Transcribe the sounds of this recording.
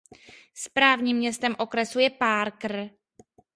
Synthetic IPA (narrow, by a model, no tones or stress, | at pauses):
spɾaːvɲiːmːɲɛst̪ɛmʔo̞kɾɛsujɛpaːɾkr̩